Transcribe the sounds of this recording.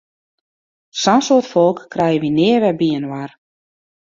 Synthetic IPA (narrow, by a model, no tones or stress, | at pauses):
sansoətfɔlˠkːrɛjəʋinɪəʋɛbiənwar